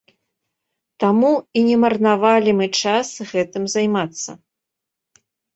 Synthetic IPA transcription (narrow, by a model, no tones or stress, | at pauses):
t̪amuinʲɛmɐrnavalʲimɨt͡ʂasɣɛt̪ɨmzajmat̪sːɐ̰